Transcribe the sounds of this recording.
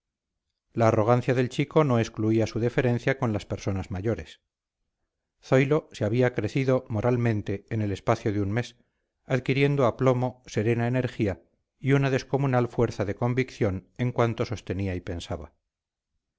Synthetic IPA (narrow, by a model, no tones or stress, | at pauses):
laːro̞ɣ̞anθjaðe̞lt͡ʃiko̞no̞eskluiasuðefe̞ɾẽ̞n̟θjako̞nlaspe̞ɾso̞nazmaʝo̞ɾes | θo̞jlo̞seaβ̞iakɾe̞θiðo̞mo̞ɾʔalmẽ̞nt̪e̞ːnele̞spaθjoðeunme̞s | aðkiɾje̞nd̪oaplo̞mo̞se̞ɾe̞naene̞ɾxia | iunaðe̞sko̞munalfwe̞ɾθaðe̞ko̞mbikθjo̞ne̞ŋkwant̪o̞so̞st̪e̞niaipe̞nsaβa